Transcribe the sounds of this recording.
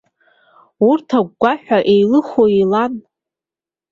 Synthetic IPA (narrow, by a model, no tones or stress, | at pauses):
urtʰaɡɡʷaħʷᶣaʔe̞jlɨχoilan